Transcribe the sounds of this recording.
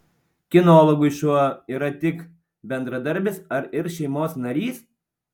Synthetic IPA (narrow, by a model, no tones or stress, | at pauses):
kʲɪnoːlˠɔɡʊʃuɔiːɾɐt̪ʲɪk | bʲɛnd̪ɾɐd̪ɐɾʲbʲɪsɐɾɪɾʃʲɛɪmoːsnɐɾʲiːs